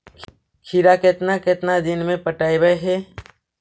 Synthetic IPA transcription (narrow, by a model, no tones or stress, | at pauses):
kʰiɾaket̪naket̪nad̪ɪnmẽpəʈaːibəeɦɛː